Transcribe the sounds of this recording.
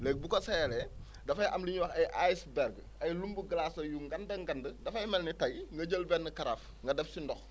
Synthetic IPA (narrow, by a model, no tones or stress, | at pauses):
lɛk̚bukɔsɛjɐlɛ | dɐfɐjʔɐmliɲwɐxɐjʔajsbɛɾɡ | ɐjlumbuɡɐlasɐjuŋɡɐndɐŋɡɐndədɐfɐjmɛlnɛtɐɡŋɡɐɟəlbɛnːəkɐɾaf | ŋɡɐdɛfsindɔx